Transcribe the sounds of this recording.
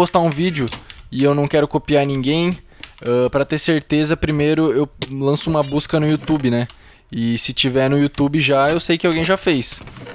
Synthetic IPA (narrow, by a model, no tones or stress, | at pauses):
ost̪aũvid͡ʒɪʊɪewnɐ̃w̃kɛɾʊkopiaɾnĩŋɡẽj̃ɛpɾɐt̪eɾseɾt̪ezɐpɾimejɾʊewlɐ̃sʊũmɐbuskɐnʊiut̪ubɪnɛ | ɪsɪt͡ʃivɛɾnʊiut̪ubɪʒaewsejkɪawɡẽj̃ʒafejs